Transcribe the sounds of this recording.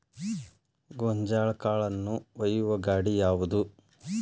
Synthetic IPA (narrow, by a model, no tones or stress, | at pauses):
ɡoɲd͡ʒaːɭɐkaːɭɐnːuʋɐjuʋɐɡaːɽijaːʋud̪u